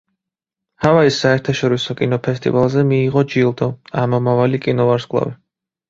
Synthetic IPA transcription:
havaisːaɛɾt̪ʰaʃɔɾisɔkʼinɔpʰɛst̪ʼḭvalˠzɛmiːʁɔd͡ʒilˠd̪ɔamɔmavalikʼinɔvaɾskʼlˠa̰vi

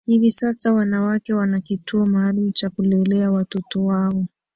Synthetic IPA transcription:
hivisasawanawakɛwanakitʰuɔmaːlumt͡ʃakulɛlɛawatɔtɔwaɔ

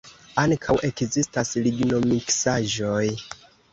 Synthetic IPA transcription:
aŋkʰawʔe̞kzistasɾiɡno̞miksaʒoj

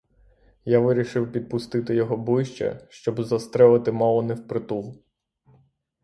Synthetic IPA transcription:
jaʋɪɾʲiʃɪwpʲid̪̚pʊst̪ɪt̪ɪjɔɦɔblɪjʃt͡ʃɐ̰ʃt͡ʃɔbzɐst̪ɾɛlˠɐt̪ɪmɑlˠɔnɛwpɾɪt̪uwˠ

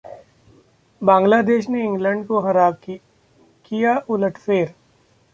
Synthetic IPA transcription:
bãːŋɡlaːd̪eːʃneɪ̃ŋɡlə̃ɳɖkoxɐɾaːb | kijaʔʊləʈʰfeːɾ

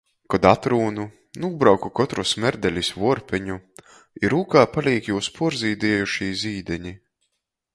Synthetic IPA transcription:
kɔd̪at̪ɾuːnu | nuːbɾawkukɔt̪ɾusmɛɾd̪ɛlʲisvuɔɾpʲɛɲu | iɾuːkaːpalʲiːkjuːspʰuɔɾziːd̪iɛjuʃiːziːd̪ɛɲi

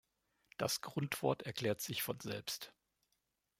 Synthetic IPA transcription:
d̥asɡ̥ʁʊntv̥ɔɐtɛɐkl̥ɛːɐtz̥ɪçfɔnzɛlpst

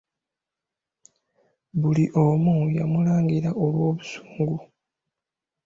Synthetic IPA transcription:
βuliʔomujamulaːŋɡiɾaʔo̞lwo̞ːβusu̥ːŋɡu

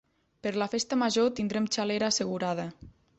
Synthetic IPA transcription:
pəɾlafest̪əmaʒot̪ind̪ɾemt͡ʃaleɾaːsəɣuɾað̞ə

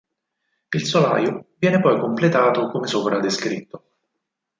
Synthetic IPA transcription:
ilsola̰ːjovjɛːnepɔjkomplet̪aːt̪okomesoːpɾad̪eskɾit̪ːo

